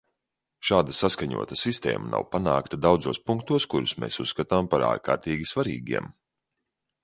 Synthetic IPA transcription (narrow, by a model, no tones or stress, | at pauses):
ʃaːd̪asaskaɲṵɔt̪asist̪ɛ̰ːma̰na̰wpanaːkt̪ad̪awd̪zuɔspuŋk̚t̪uɔskuɾusmeːsusːkat̪ampaɾa̰ːɾka̰ːɾt̪iːɡʲisvaɾḭːɡʲiɛm